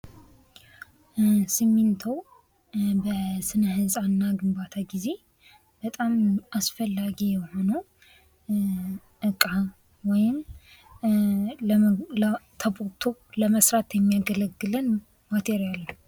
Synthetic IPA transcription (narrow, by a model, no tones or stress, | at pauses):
simːint̪ʰəw | bəsɨnəhɨsʼaɨnːaɡɨmbat̪ʰaɡize̞ | b̥ət̪ʼamʔasfəlːaɡijɛho̞nə | ʔɨkʼa | wɔjɪm | ləlt̪ʰəbʼot̪ʰo̞ləməsɾat̪jɛmːijaɡələɡːɨlɨn | mat̪ʰeɾijal